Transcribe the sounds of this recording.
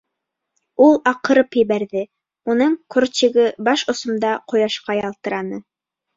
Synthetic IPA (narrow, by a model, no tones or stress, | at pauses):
ulˠɑqɤ̆ɾɤpjɘ̆βæɾðɘ | unɤɴkʰort͡ɕĭɡɘbɑʃŏsŏmd̪ɑqŏjɑʃqɑjɑlˠt̪ɤ̆ɾɑnɤ